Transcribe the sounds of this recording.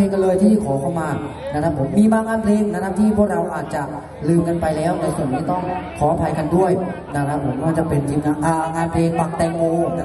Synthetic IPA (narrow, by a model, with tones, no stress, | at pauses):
e˧ŋkɔ˧˩lɤː˧jt̪ʰiː˥˩kʰɔː˩˦kʰa˥˩wmaː˧ | na˦˥a˦˥pʰo˩˦mːiː˧baː˧ŋaː˧npʰleː˧ŋna˦˥k̪ʰa˦˥pt̪ʰiː˥˩pʰu˥˩ək̚ɾa˧wʔaː˨˩t̪̚t͡ɕa˨˩ | lɯː˧mka˧npa˧jlɛː˦˥wna˧jsu˨˩nːiː˦˥t̪ɔ˥˩ŋkʰɔː˨˩˦ʔa˧pʰa˧jka˧ndu˥˩əjna˦˥˩t̪ʰa˦˥pʰːo˩˦kaː˥˩t͡ɕa˨˩pe˧nt̪ʰiː˧ŋaː˧nʔaː˧˩˧ŋaː˧npʰleː˧pa˨˩k̚t̪ɛː˧ŋŋoː˧˨˦